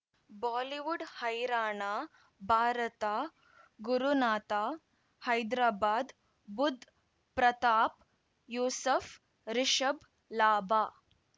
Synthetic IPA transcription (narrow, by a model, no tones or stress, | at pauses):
baːliʋuɖhɐjɾaːɳaː | bʱaːɾɐt̪aː | ɡuɾunaːt̪aː | hɐjd̪ɾaːbaːd̪ | bud̪ʱ | pɾɐt̪aːp | juːsɐf | ɾɪʃɐb | laːbaː